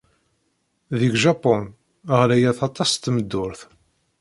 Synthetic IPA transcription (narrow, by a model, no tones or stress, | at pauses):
ðiɡʒɑpɔn | ʁlæjæθɑt̪ˤɑst̪ːməd̪ːʊɾθ